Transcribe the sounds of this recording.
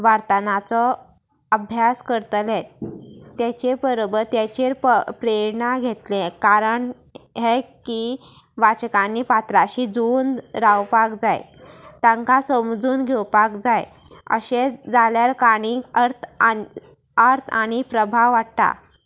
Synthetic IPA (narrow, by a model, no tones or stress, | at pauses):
ʋaɾt̪anat͡sɔ | əbʱjaskəɾt̪let̪t̪ːjet͡ɕebəɾobəɾt̪jat͡ɕeɾppɾeɾnaɡʱet̪lẽkaɾəɳ | ɦeki | ʋat͡ɕkãnːipat̪ɾaɕid͡zuːnɾawpakd͡zaj | t̪ãŋkãsəmd͡zuːnɡʱewpakd͡zaj | ə̰ɕed͡zaljaɾkaɽ̃iəɾt̪ʰ | aɾt̪ʰaɽ̃ipɾəbʱaʋaʈt̪a̰